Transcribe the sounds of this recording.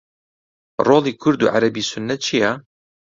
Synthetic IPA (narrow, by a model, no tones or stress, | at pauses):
roːlˠiːkʰʊɾd̪ṵːʕa̰ɾɐbiːsʊnːɐt̪̚t͡ʃʰijɛ